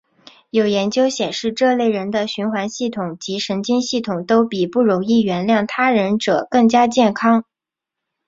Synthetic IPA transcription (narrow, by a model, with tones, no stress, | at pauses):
jo˨˩ʊjɛ˧˥nt͡ɕjo˥ʊɕjɛ˨˩nʂɻ̩˥˧ʈ͡ʂɤ˥˧le˥˩ɪɻə˧˥nd̪ə˧ɕy˧˥nxwa˧˥nɕi˥˩t̪ʰʊ˨˩˦ŋt͡ɕi˧˥ʂə˧˥nt͡ɕi˥nɕi˥˩t̪ʰʊ˨˩ŋt̪o˥ʊpi˨˩pu˥˩ɻʊ˧˥ŋi˥˩ɥɛ˧˥nljɑ˥˩ŋt̪ʰa˥ɻə˧˥nʈ͡ʂɤ˨˩kɤ˥˩ŋt͡ɕja˥t͡ɕjɛ˥˩nkʰɑ˥ŋ